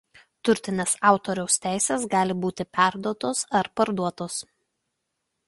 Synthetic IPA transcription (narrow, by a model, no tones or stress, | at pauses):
t̪ʊɾʲt̪ʲɪnʲeːsɑˑʊt̪oɾʲɛʊst̪ʲæˑɪsʲeːsɡɑːlʲɪbuːt̪ʲɪpʲæˑɾd̪uɔt̪oːsɐɾpɐɾd̪uɔt̪oːs